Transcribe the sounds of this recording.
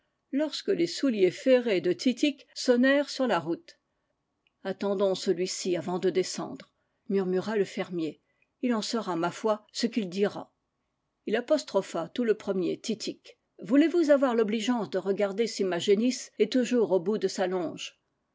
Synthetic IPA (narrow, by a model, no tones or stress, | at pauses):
lɔʁskəlesuljefeʁed̪ət̪ʰit̪iksɔnɛʁsyʁlaʁut̪ | at̪ɑ̃d̪ɔ̃səlɥisiavɑ̃d̪əd̪esɑ̰̃d̪ʁ | myʁmyʁaləfɛʁmje | ilɑ̃səʁamafwasəkild̪iʁa̰ | ilapɔst̪χɔfat̪uləpχəmjet̪it̪ʰik | vulevuzavwaʁlɔbliʒɑ̃sd̪əʁəɡaʁd̪esimaʒenisɛt̪uʒuʁobud̪əsalɔ̃ʒ